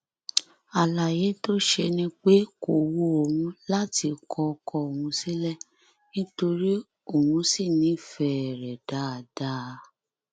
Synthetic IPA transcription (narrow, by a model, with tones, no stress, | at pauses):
a˨la˨je˨˦to˦ʃe˧nĩ˦k͡pe˦ko˨wo˧˦o˨wũ˧la˦ti˧kʰɔ˧kɔ˧o˨wũ˧si˦lɛ˦˨ | nĩ˦to˧ɾi˦ | o˦˨hũ˧˦si˦˨nĩ˨˦fɛ˧ɛ˨ɾɛ˨da˨˦a˨da˦˧˦